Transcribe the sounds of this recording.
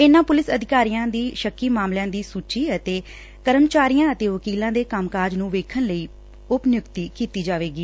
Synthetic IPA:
ɪnãːpʊlɪsəd̪ʱɪkaːɾijãːd̪iːʃəkːiːmaːmljãːd̪iːsuːt͡ʃiːət̪eː | kəɾəmt͡ʃaːɾijãːət̪eːʋəkiːlãːd̪eːkəmkaːd͡ʒnũːʋeːkʰənləiː | ʊpnɪjʊkt̪iːkiːt̪iːd͡ʒaːʋeːɡiː

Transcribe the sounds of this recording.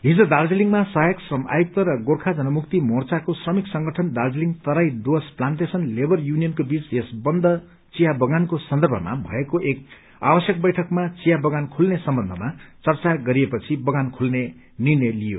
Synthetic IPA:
ɦid͡zod̪ard͡ziliŋɡmasʌjʌksʌmʔa̰juk̚t̪ʌɾʌɡorkʰad͡zʌnʌmuk̚t̪imort͡sakosrʌmiksʌŋɡʌʈʰʌnd̪ard͡zliŋɡt̪ʌɾajd̪osplanʈesʌnlebʌrjunijʌnkobit͡sesbʌnd̪ʱʌ | t͡sijabʌɡankosʌnd̪ʌrbʱʌ̰ma̰bʱʌekoʔek̚ | a̰bʌsjʌk̚bʌjʈʰʌkmat͡sijabʌɡankʰulnesʌmbʌnd̪ʱʌmat͡sʌrt͡saɡʌɾiepʌt͡sʰibʌɡankʰulne | nirnʌjlijo̰

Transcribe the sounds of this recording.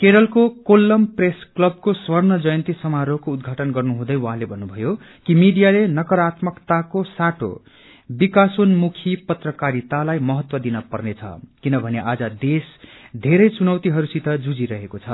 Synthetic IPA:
keɾʌlkokolːʌmpresklʌb̚koswʌrnʌd͡zʌjʌnt̪isʌmaɾokoud̪̚ɡʱaʈʌnɡʌrnuɦũd̪ʌjwaɦãlebʱʌnːubʱʌjo | kimiɖijalenʌkʌɾat̪mʌkt̪akosaʈo̰ | bikasonmukʰipʌt̪rʌkaɾit̪alajmʌɦʌt̪wʌd̪inʌpʌ̰rnet͡sʰʌ̰kinʌbʱʌneʔad͡zʌd̪esd̪ʱeɾʌjt͡sunʌwt̪iɦʌɾusit̪ʌd͡zud͡ziɾʌɦekot͡sʰʌ

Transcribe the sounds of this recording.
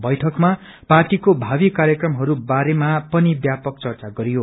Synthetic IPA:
bʌjʈʰʌkma | parʈikobʱabikaɾjʌkrʌmɦʌɾubaɾemapʌnibjapʌk̚t͡sʌrt͡saɡʌɾijo

